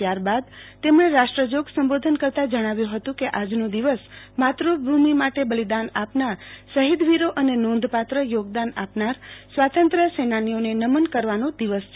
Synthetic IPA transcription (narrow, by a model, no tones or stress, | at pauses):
t̪jaɾbad̪t̪emɽ̃eɾaʃʈɾəd͡ʒoɡsəmbod̪ʱənkəɾt̪ad͡ʒəɽ̃aʋjũɦət̪ũkeʔad͡ʒnũd̪iʋəsmat̪ɾubʱumimaʈebəlid̪anapnaɾsəɦid̪ʋiɾoʔənenõnd̪ʱpat̪ɾəjoɡ̚d̪anapnaɾsʋat̪ənt̪ɾəsenanijonenəmənkəɾʋanõd̪iʋəsʰ